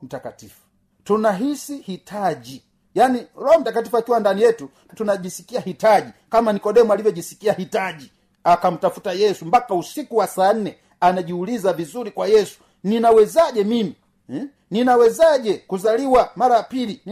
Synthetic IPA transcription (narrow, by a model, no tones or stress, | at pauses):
m̩takatifu̥ | tunaɦisihitʰaʄi | janilɔɔm̩takatifuakiwandanijɛtu | tunaʄisi̥kiahitaʄikamanikɔɗɛmwalivɔʄisi̥kiahitaʄi | akam̩tafutajɛsumbakausikuwasaːn̩nɛ | anaʄiulizavizuɾikwajɛsu̥ | ninawɛzaɟɛmimi | ninawɛzaʄɛkuzaliwamaɾajapili